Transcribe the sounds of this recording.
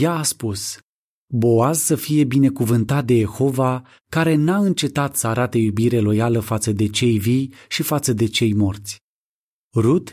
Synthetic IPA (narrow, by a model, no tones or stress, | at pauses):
jaːspus | bo̞azsəfije̞bine̞kuvɨnt̪at̪̚d̪e̞je̞xo̞va | kaɾe̞naɨnt͡ʃe̞t̪at̪səaɾat̪ejubiɾe̞lo̞jaləfat̪səd̪e̞t͡ʃe̞jvijʃifat̪səd̪e̞t͡ʃe̞jmo̞rt̪sʲ | ɾut̪